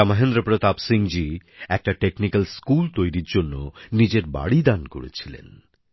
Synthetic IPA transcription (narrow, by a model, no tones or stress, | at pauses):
amaɦend̪ɾopɾot̪apsiŋd͡ʑiɛk̚ʈaʈeknikalskult̪ojɾiɾd͡ʑonːonid͡ʑeɾba̰ɽid̪anko̰ɾḛt͡ɕʰilḛn